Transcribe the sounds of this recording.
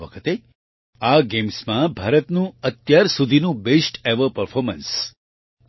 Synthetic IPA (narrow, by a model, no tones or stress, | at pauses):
ʋəkʰət̪e | aɡemsmãbʱaɾət̪nũət̪jaɾsud̪ʱinũbesʈeʋəpəɾfʰɔɾməns